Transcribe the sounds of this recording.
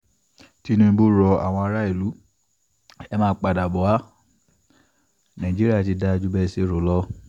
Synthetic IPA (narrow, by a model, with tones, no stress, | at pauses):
ti˦nũ˧bo˦ɾɔ˧a̰˨w̃ɔ̃˧a˧ɾa˦e˦˨lu˨˦ | ɛ˦mãː˦˧˦k͡pa˨da˨bɔ˨˦a˦ | nã˨ĩ˨d͡ʒi˦ɾi˦a˦˨ti˧˦da˧d͡ʒu˦bɛ˧˦se˦˨ɾo˨lɔ˦